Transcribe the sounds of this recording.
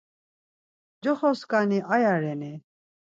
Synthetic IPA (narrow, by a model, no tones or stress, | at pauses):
d͡ʒɔχɔskʼaniʔajaɾɛni